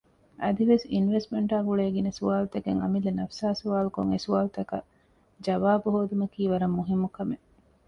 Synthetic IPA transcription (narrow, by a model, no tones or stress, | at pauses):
ʔɐd̪iʋesinʋesmeɳʈaːɡuɭeːɡinesuʋaːlut̪ɐɡeŋɐ̰milːɐnɐfsaːsuʋaːlukoŋḛsuaːlut̪ɐkɐ | d͡ʒɐʋaːbuɦoːd̪umɐkiːʋɐɾɐmːuɦimːukɐme